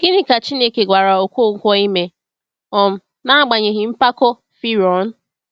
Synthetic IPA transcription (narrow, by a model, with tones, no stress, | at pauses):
ɡ̥i˦ni˦ka˨t͡ʃi˦ne˦ke˨ɡʷa˨ɾa˨o˨kʷo˦˨ŋ̩˦kʷɔ˦i˦me˦ | ɔ˨m̩˨ | na˦a˦ɡ͡ba˨ɲe˨ɦi˨m̩˦pa˦kɔ˦ | fi˦ɾɔ˨˦n̩˦